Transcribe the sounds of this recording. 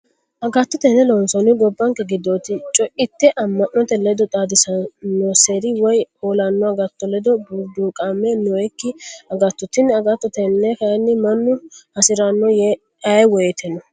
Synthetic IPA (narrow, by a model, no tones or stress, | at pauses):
ʔɐɡɐt̪ːʊt̪ɛnːɛlɔnsɔnɪɡɔbːɐŋkɛɡɪd̪ːɔt̪ɪt͡ʃʼɔʔɪt̪ːɛʔɐmːɐnːɔt̪ɛlɛd̪ɔt̪ʼaːd̪ɪsɐnːɔseːɾɪwɔjoːlɐnːɔɡɐt̪ːɔlɛd̪ɔbud̪uːkʼaːmːɛnɔɛkːɪɐɡɐt̪ːɔt̪ɪnːɐɡɐt̪ːɔt̪ɛnːɛkɐjnːɪmɐnːʊhɐsɪɾɐnːɔjɛ | ɐjwɔjɛt̪ʰɛnːɔ